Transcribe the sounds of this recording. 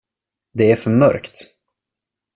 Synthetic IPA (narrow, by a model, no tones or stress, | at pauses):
d̪ɛæɾfœɾmœ̰ɾkt̪